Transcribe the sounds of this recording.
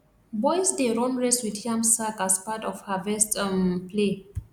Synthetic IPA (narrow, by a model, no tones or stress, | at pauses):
bɔjsdeɹɔ̃nɹeswidʰiãmsakaspatɔfhavɛstmple